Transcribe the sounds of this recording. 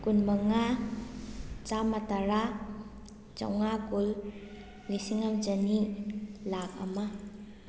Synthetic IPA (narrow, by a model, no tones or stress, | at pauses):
kunmaŋa | t͡ʃamataɾa | t͡ʃa̰wŋakul | lisiŋamd͡ʒanilak̚a̰ma